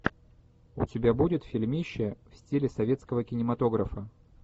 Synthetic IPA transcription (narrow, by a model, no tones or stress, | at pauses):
ʊ̰tʲɪbʲabudʲɪt̪fʲɪlʲmʲiɕːəfsʲtʲilʲɪsɐvʲe̞t̪skəvəkʲɪnʲɪmɐt̪o̞ɡɾəfə